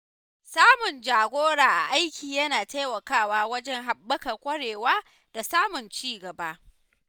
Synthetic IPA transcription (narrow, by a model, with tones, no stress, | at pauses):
saː˦mʊ˨nd͡ʒaː˨ɡʷoː˦ɽaː˨ʔa̰˨ʔa˦jkʲiː˨jɐ˦naː˨ta˦jwɐ˨kaː˦˨waː˦wɐ˦d͡ʒɛ˦ŋɦa˨bːɐ˦kɐ˨rkʷɐ˦ɽeː˨waː˦ | d̥a˨saː˦mʊ˨nt͡ʃiː˦ɡɐ˨ba˦ʔ